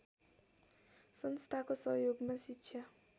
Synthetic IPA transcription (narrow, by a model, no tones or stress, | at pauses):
sʌnst̪ʰakosʌɦjoɡmasitːsʰja